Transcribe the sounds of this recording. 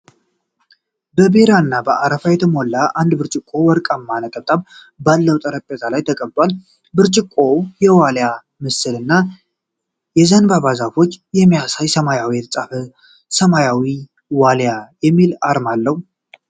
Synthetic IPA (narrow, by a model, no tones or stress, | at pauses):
bəbe̞ɾaɨnːabəʔaɾəfajɛt̪ʰəmo̞lːaʔand̪bɨɾt͡ʃʼɪkʼːo̞wɔɾkʼamːanət̪ʼət̪ʼaβ | balːəwt̪ʼəɾəpʼːet̪ʰalajt̪ʰəkʼəbt̪ʼwal | bɨɾt͡ʃʼɪkʼːo̞jɛwalja | mɨsɨlɨnːa | jɛzənbaβazafo̞t͡ʃːjɛmːijasajsəmajawilɨt͡sʼafə | səmajawi | waljajɛmːilaɾmalːəhu